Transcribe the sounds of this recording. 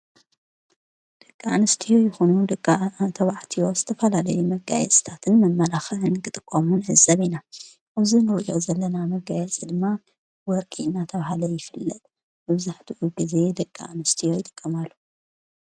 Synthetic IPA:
d̪̥ɐkʼːaanɨst̪ʰijo̞jɪxonud̪ɐkʼːt̪ʰɐβaʕt̪ʰijo̞zɨt̪ʰɐfɐlalɐjumɐɡa̰jɛ̰t͡sʼt̪ʰat̪ʰɨnmɐmːɐlaxɐʕɨnkɨt̪ʼɨkʼːomunʕɨzɐβina | ʔaβzinɨɾʔjozɐlːɐnamɐɡajɛt͡sʼid̪ɨmːa | wɔɾkʼiɨnːat̪ʰɐβahalɐjɪfɨlːɐt̪ʼ | bɨβzaħt̪ʰiʔuɡize̞d̪ɐkʼːa̰anɨst̪ʰijo̞jɪt̪ʼɨ̥kʼːɐmalːu

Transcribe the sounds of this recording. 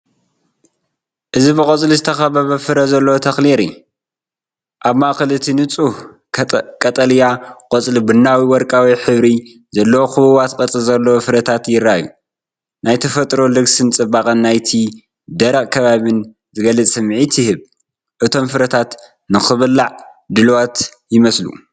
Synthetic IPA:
ʔɨzibɨkʼɐt͡sʼlizɨt̪ʰɐxɐβɐβɐfɨɾɐzɐlːɐwot̪ʰɐxliɾḭ | ʔaβmakɨlɨt̪ʰinɨt͡sʼuh | kʼɐt̪ʼɐljaqʼɐt͡sʼlibɨnːawiwɔɾkʼawiħɨβɾi | zɐlːɐwoxɨβɨβat̪kʼɐt͡sʼɨzɐlːɐwofɨɾɐt̪ʰat̪jɪɾːaju | najt̪ʰɐfɐt̪ʼɾo̞lɨɡsɨnt͡sʼɨbakʼɐnːajt̪ʰi | d̪ɐɾɐkʼkʰɐβaβɨn | zɨɡɐlɨt͡sʼsɨmʕit̪jɪhɨβ | ʔɨt̪ʰo̞mfɨɾɐt̪ʰat̪ | nɨxɨβɨlːaʕ | d̪ɨlwat̪ | jɪmɐslṵ

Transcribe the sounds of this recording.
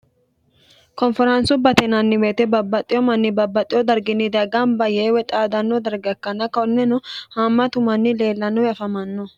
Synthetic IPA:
kɔnfɛɾɐnsʊbɐt̪ɛnɐnːɪbeːt̪ɛbɐbːɐt̪ʼːɪjɔmɐnːɪbɐbːɐt̪ʼːɪjɔd̪ɐɾɡɪnːɪd̪ɐɡɐmbɐjeːwɛt̪ʼaːd̪ɐnːɔd̪ɐɾɡɐkːɐnɐkɐnːɛnɔhaːmːɐt̪ʊmɐnːɪle̞ːlːɐnɔjɐfɐmɐnːɔ

